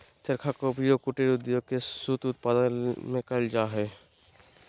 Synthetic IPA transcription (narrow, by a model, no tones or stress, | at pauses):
t̪əɾkʰakopɾijokuʈeɾʊd̪joɡ̚kesut̪ʊt̪̚pad̪ənmẽkəld͡ʒaːɦɛː